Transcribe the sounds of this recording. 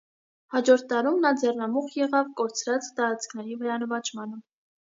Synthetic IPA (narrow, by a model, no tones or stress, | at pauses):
hɑd͡ʒɔɾt̪ʰːɑɾumnɑd͡zɛrnɑmuχjɛʁɑvkɔɾt͡sʰɾɑt͡st̪ɑɾɑt͡skʰnɛɾivəɾɑnəvɑt͡ʃʰmɑnə